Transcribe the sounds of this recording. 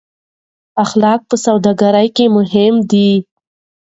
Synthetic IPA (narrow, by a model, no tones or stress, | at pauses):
axlɑk̚pəsawd̪ɑɡaɾajkemʊɦɪmd̪i